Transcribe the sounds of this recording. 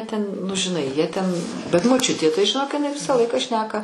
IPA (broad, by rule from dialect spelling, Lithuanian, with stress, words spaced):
tʲɛn nʊ ʒʲɪˈnɐɪ jiɛ tʲɛn bʲɛt moːˈt͡ʃʲʊtʲeː tɐɪ ʒʲɪˈnoːk ɪˈnɐɪ ˈʋʲɪsɑː ˈlˠɐɪkɑː ˈʃʲnʲæːkɐ